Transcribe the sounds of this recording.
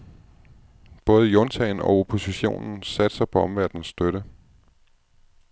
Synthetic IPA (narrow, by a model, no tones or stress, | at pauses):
b̥ɔ̽ːð̞̩ˠəjont͡sʰɛɪnɒ̽o̝pʰo̝siɕo̝̰ːnn̩sæd̥sɑ̈ɪpʰɒ̽ɒ̽mʋæɐd̥n̩sːd̥øɾə